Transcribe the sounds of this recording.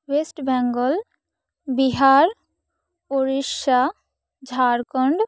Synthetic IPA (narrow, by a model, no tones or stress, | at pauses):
wesʈbɛŋɡɔl | biɦaɾ | poɾiʃa | d͡ʑʱaɾkɔɳɖ